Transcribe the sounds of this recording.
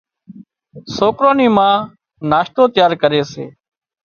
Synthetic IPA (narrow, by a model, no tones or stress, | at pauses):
soːkɾoːniːmãː | naːʃt̪oːt̪ɪjaːɾkəɾeːsḛː